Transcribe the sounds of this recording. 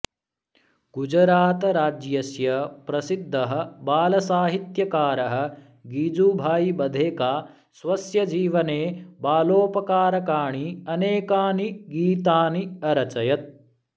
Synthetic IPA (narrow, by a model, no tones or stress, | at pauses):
ɡ̥ud͡ʒɾaːt̪ɐɾaːd͡ʒjɐsjɐpɾɐsid̪ʱːɐɦɐ̆baːlɐsaːɦit̪jɐkaːɾɐɦɐ̆ | ɡiːd͡ʒuːbʱaːjibɐd̪ʱeːkaː | sʋɐsjɐd͡ʒiːʋɐneːbaːloːpɐkaːɾɐkaːɳiɐneːkaːniɡiːt̪aːniɐɾɐt͡ʃɐjɐt̪̚